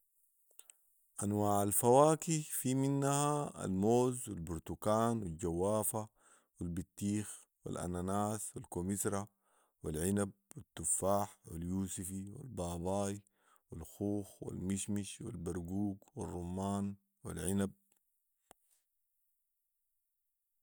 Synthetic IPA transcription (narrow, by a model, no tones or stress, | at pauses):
ʔanwaːʕalfawaːkifiminːahaa̰lmoːzwilbuɾt̪ukaːnwild͡ʒawːaːfa | wilbit̪ːiːx | wḭlʔa̰nanaːswilkomisɾˤa | wilʕinab̚wit̪ːufːaːħwiljuːsifiwḭlbɑːbɑːj | wilxuːxwḭlmiʃmiʃwḭlbaɾˤɡuːɡwirˤːumːaːn | wḭlʕinab̚